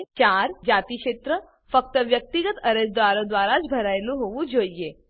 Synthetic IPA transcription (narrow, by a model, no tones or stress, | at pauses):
t͡ʃaːɾd͡ʒaːt̪ikʃeːt̪ɾə | fək̚t̪əʋjək̚t̪iɡət̪əɾesd̪ʋaːɾod̪ʋaːɾat͡ʃbʱɐɾajluɦoʋud͡ʒoːjje